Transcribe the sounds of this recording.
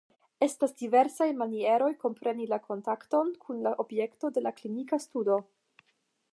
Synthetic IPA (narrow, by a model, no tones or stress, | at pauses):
e̞stasdive̞ɾsajmanie̞ɾo̞jko̞mpɾe̞nilako̞ntakto̞nkʰunlaʔo̞bje̞kto̞de̞laklinikastudo̞